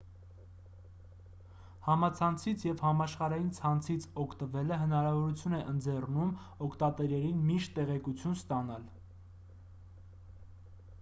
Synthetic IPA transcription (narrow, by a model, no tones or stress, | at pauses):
hɑmɑt͡sʰɑnt͡sʰit͡sʰjɛvhɑmɑʃχɑɾɑjint͡sʰɑnt͡sʰit͡sʰɔkʰt̪əvɛləɦənɑɾɑvɔɾut͡sʰjunɛʔənd͡zɛrnum | ɔkʰt̪ɑt̪ɛɾɛɾinmiʃt̪ːɛʁɛkut͡sʰjunst̪ɑnɑl